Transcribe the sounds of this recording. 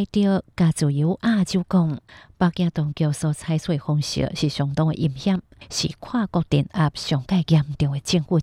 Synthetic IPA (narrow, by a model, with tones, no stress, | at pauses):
jt̪jə˧ka˨˩t͡su˨˩ji˨˦ʔa˥˧˨t͡ɕju˧˦kɔ˥˧ŋpa˧kj̃ã˧t̪ɔ˧ŋkjɔ˧sɔ˧t͡sʰa˧jswe˥˧hɔ˧ŋɕḭ˧˦ɕi˨˩ɕjɔ˨˩ŋt̪ɔ˧ŋḛ˨ʔi˧˩mhja˥˨mɕḭ˨kʰwa˥˧kɔ˥˧k̚t̪i˨˩na˧p̚ɕɔ˨˩ŋka˥˧jɡja˧m̩˧˨t̪i˧ə˨ŋe˨t͡ɕi˥˧ŋhu˥˧